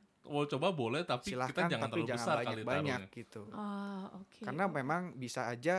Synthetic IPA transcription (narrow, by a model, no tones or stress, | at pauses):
wolt͡ʃobabolɛht̪apsiilahik̪aand͡ʒaŋaant̪əild͡ʒabəŋsansarbaɲaalibaɲak̚ɡit̪uɔokekarnamemaŋbisaːd͡ʒa